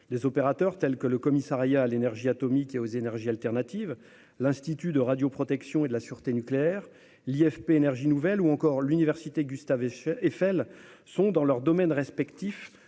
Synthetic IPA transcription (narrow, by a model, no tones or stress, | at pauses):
lezɔpeʁat̪œʁt̪ɛlkələkɔmisaʁjaːlenɛʁʒiat̪ɔmikeozenɛʁʒialt̪ɛʁnat̪iv | lɛ̃st̪it̪yd̪əʁad̪jopχɔt̪ɛksjɔ̃ed̪əlasyʁt̪enykleɛʁ | liɛfpeːnɛʁʒinuvɛluɑ̃kɔʁlynivɛʁsit̪eɡʲyst̪avefɛl | sɔ̃d̪ɑ̃lœʁd̪ɔmɛnʁɛspɛkt̪if